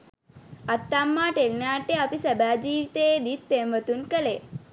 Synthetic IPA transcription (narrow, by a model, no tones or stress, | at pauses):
ɐt̪ːamːaːʈelnaːʈeɐpisəbaːd͡ʒiːʋt̪ed̪it̪̚pemʋət̪unkəle